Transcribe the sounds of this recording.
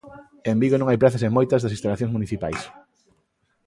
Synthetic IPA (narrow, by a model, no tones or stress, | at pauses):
embiɣonõŋajpɾaθɐs̬emojt̪ɐzðɐsĩnst̪alaθjõŋsmuniθipa̰js